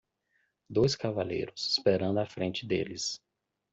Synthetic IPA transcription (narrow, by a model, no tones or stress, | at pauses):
d̪ojskavalḛjɾʊsispeɾɐ̃nd̪ʊafɾẽnt͡ʃɪd̪ḛlɪs